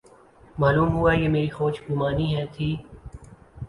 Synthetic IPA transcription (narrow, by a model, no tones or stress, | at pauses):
maːluːmɦʊajeːmeːɾixɔːt͡ʃɡʊmaːniɦɛ̃t̪ʰiː